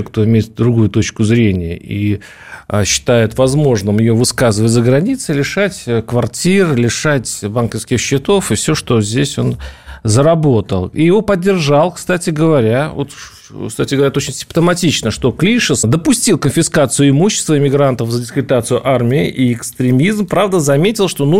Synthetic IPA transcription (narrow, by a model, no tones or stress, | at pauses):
kt̪o̞ɪmʲejɪt̪̚d̪ɾʊɡujʊt̪o̞t͡ɕkʊzɾʲenʲɪjə̰ʔḭ | ɕːɪ̥t̪ajɪt̪vɐzmo̞ʐnɨmjɪjovɨskazɨvətʲzəɡɾɐnʲit̪sɨlʲɪʂatʲkvɐrtʲirlʲɪʂatʲbankəfskʲɪxɕːɪt̪o̞fɨfsʲo̞ʂt̪o̞zʲdʲesʲo̞nzəɾɐbo̞t̪əlˠḭjɪvo̞pədʲːɪrʐalˠkst̪atʲɪɡəvɐɾʲavot̪ | kst̪atʲɪɡəvɐɾʲat̪ot͡ɕɪnʲsʲɪ̥mpt̪əmɐtʲit͡ɕnəʂt̪o̞klʲiʂəd̪əpʊsʲtʲilˠkənfʲɪskat̪sɨjʊɪmuɕːɪ̥st̪vəɪmʲɪɡɾant̪əfzədʲɪskvʲɪt̪at̪sɨjʊʔarmʲɪɪʔiɪkst̪ɾʲɪmʲizmpɾavd̪əzɐmʲetʲɪlˠʂt̪o̞nu